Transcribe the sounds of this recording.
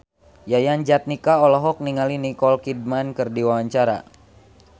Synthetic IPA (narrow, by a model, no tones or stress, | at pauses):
jajand͡ʒat̪̚nikaɔlɔɦɔk̚niŋalinikɔlkid̚mankɨrdiwawaɲt͡ʃaɾa̰